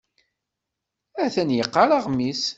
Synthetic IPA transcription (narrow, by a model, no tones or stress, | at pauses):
æθænjəqːɑɾˤɑʁmis